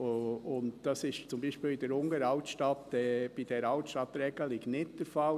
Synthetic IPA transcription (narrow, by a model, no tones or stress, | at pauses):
ʊntd̥ɑsɪʃt͡sʊmbiːʃpiːlid̥̪ɛɾʊŋəɾɑʊtʃtɑt̪ɛb̥id̥ɛɾɑʊtʃtɑtɾɛɡ̥əliɡ̥nɪtd̪̥əɾfɑl